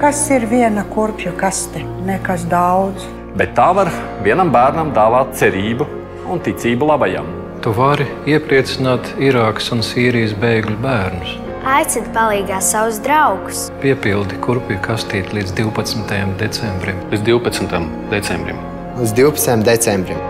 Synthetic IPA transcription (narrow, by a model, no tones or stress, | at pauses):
kasiɾvʲiɛnakuɾpʲjukast̪ʲɛ | nɛkas̬d̪awd̪z | bɛt̪ːaːvaɾ | vʲiɛnambæːɾnamd̪aːvaːt̪̚t̪sɛɾiːbu | unt̪it̪siːbulˠabaja̰m | t̪uvaɾ | iɛpɾiɛt̪sinaːt̪iɾaːksunsiːɾijs̬bejɡlʲubæːɾnus | ajt̪sɪd̪palˠiːɡaːssawzd̪ɾawɡspiɛpilˠd̪ikuɾpʲjukast̪iːt̪ʲlˠiːd̪zd̪iwpɐt̪smɪt̪ɐjamd̪et̪sɛmbɾimlid̪d̪ʲiwpɐt̪smt̪am | d̪ɛt̪sɛmbɾḭm | lizd̪iwpɐ̥t̪sjamd̪ɛt̪sɛmbɾim